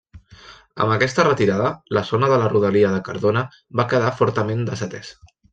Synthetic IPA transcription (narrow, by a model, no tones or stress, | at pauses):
ə̰mbəkɛst̪ərət̪iɾaðələzonəðələruðəliəðəkə̰ɾðonə | βakəð̞afɔɾt̪əmend̪əzət̪ɛs